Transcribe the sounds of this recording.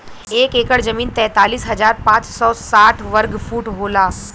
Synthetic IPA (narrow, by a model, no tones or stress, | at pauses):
eːkeːkəɽd͡ʒɐmiːnt̪ɛ̃ːt̪aːliːsɦɐzaːɾpãːt͡ʃsɔːsaːʈʰʋɐɾɡfʰuːʈɦoːlaː